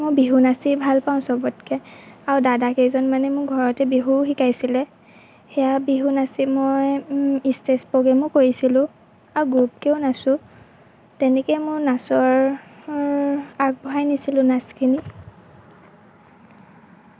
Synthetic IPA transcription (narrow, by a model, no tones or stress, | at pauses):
mʊbiɦunasibʱalpaʊ̃sɔbɔtkɛaɹudadakezɔnmanɛmʊɡʱɔɹɔtɛbiɦuxikajsilɛ | xɛjabiɦunasimojistɛspɔɡɛmʊkoɹisilʊ̃ | aɹuɡɹup̚kɛʊnasʊ̃ | tɛnɛkɛmʊnasɔɹ | ak̚bɔɦajnisilʊ̃naskʰini